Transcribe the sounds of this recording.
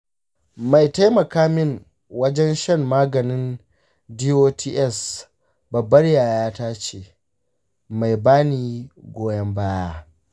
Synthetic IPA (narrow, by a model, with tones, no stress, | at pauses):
ma˨jta˦jmɐ˨kaː˦mɪ˦˨ŋ | wɐ˦d͡ʒɛ˦nʃɐ˦mːaː˦ɡɐ˨nɪ˦n | diː˦ʔoː˦tʰiː˦ʔɛ˦˨s | bɐ˨bːɐ˦rjaː˨jaː˦taː˦t͡ʃeː˨ | ma˨jbaː˦niː˨ɡʷoː˦jɐ˦mbaː˦jaː˦